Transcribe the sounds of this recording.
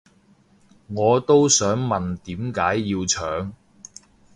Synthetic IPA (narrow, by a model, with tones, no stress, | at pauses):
ŋɔː˨˧t̪o˥wsœː˨˥ŋmɐ˨nt̪iː˨˥mkaː˨˥jːiː˧wt͡ʃʰœː˨˥ŋ